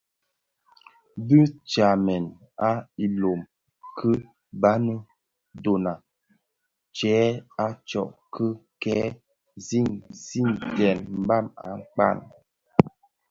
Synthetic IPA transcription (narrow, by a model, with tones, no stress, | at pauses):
də˦t͡ʃa˨mɛ˨n | a˦i˨lo˨m | kʰə˦ | ba˦nə˦ | do˨na˨ | t͡ʃɛː˨˦a˦t͡ʃɔ̰˨ʔkʰə˦kɛ˨˦ | zi˦˨ŋzi˦˨ŋtɛ˨nm̩˦ba˦˨ma̰˨˦k͡pa̰˦˨n